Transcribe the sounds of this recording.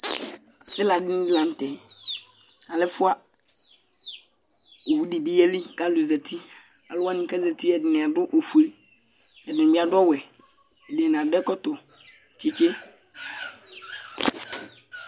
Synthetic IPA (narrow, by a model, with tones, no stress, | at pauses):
sɪ˦la˨dɪ˦nɪ̃˦dla˨n̩˦tɛ˨ | a˨lɛ˦fʊ˦a˦ | o˨wu˦di˨bi˦jɛ˦li˦ka˦lu˨zɛ˨tʰi˦ | a˨lʊ˦a˦nɪ̃˦ka˦zɛ˨t̪i˦ɛ˨dɪ˨nɪ̃˨a˨dʊ˦ʔo˨fu˨e˦ | ɛ˨dɪ˨ɪ̃˨bɪ˦a˨dʊ˦ɔ˦wɛ˨ | ɛ˨de˨n˨a˨dɛ˦kɔ˦t̪ʊ˨ | t͡ʃɪ˦t͡ʃe˦